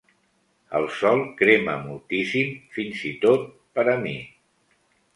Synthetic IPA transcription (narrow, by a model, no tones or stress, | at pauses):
ə̰lˠsɔlˠkɾemə̰mulˠt̪isimfinzit̪ot̪̚ | pəɾəmi